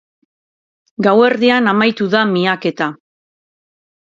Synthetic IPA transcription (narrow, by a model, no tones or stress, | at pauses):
ɡawe̞ɾðianamajt̪uðamiake̞t̪a